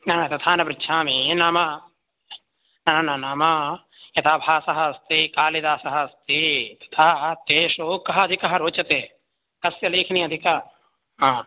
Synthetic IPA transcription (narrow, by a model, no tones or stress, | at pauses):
naːt̪ɐt̪ʰaːnɐbɾɪtːʃʰaːminaːmɐ | nɐnɐnɐnaːmɐ | jɐt̪ʰaːbʱaːsɐɦɐst̪ikaːlid̪aːsɐɦɐst̪it̪ɐ̥t̪ʰaːt̪eːʃukɐɦɐɐd̪ʱikɐɦɐɾoːt͡ʃɐt̪eː | kɐsjɐleːkʰniːɐd̪ʱikɐ | ɦãː